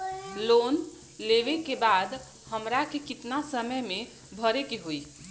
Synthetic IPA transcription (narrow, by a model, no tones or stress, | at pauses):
lon | leʋekebad̪ | həmɾakekit̪nasəməjme | bʱəɾekeɦoi